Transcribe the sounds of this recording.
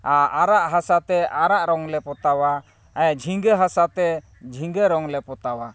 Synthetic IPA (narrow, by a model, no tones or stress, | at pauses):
aaɾaʔɦasat̪ɛaɾaʔɾɔŋlɛpɔt̪awa | ajad͡ʒʱiŋɡəɦasat̪ɛ | d͡ʒʱiŋɡəɾɔŋlɛpɔt̪awa